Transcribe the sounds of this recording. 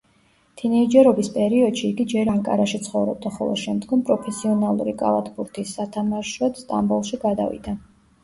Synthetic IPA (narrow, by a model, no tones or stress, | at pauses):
t̪ʰinɛid͡ʒɛɾɔbispʼɛɾiɔd̪̥ʃiːɡid͡ʒɛɾaŋkʼa̰ɾaʃit̪sʰχɔvɾɔb̚d̪aχɔ̰lˠɔ̰ʃɛmd̪ɡɔmpʼɾɔpʰɛsiɔnalˠṵɾikʼa̰la̰t̪ʰbuɾt̪ʰisːat̪ʰamaʃɔd̪st̪ʼa̰mbulˠʃiɡad̪a̰vḭd̪̥a